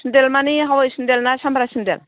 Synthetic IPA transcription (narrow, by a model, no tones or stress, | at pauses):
ndelmaniɦawajsindɛlnasamɾasindɛ̰l